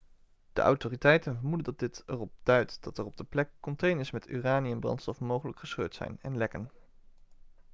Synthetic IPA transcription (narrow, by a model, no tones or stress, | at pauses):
d̥ə̰ʔɑ̰wtoːritɛjtənvəɹmudəndɑt̚dɪtərɔp̚d̥œɥtd̥ɑtərɔb̚dəplɛkːɔntejnɪsmɛty̰ːraːniɛnbrɑ̰ntstɔfmowχələkχəsχø̰ːɹtsɛ̰jnɛ̰nlɛkən